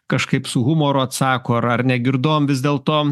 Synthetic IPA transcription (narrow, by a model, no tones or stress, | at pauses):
kɐʃkɐɪpsʊɣʊmoːɾoɐt̪sɑːkoːɐɾɐɾnʲɛɡʲɪɾd̪oːmʋʲɪzd̪ʲeːlˠt̪oː